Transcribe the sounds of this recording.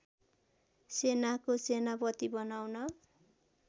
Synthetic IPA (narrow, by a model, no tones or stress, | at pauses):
senakosenabʌt̪ibʌnawnʌ